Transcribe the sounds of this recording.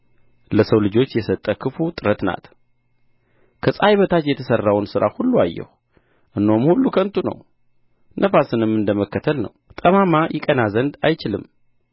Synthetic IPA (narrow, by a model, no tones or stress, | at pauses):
ləsəwlɨd͡ʒo̞t͡ʃːjɛsət̪ʼːəkʰɨfut̪ʼɨɾət̪na̰t̪ | kʰəsʼajβət̪ʰat̪jɛt̪ʰəsərːawnsɨɾa̰hulːuajːɛ̰hu | ʔɨnːo̞mhulːukʰənt̪ʰunə̰w | nʔəfasɨnɨmːɨnd̪əməkːət̪ʰəlnə̰wt̪ʼəmamajʔɪkʼənazənd̪ajt͡ʃɪlɨm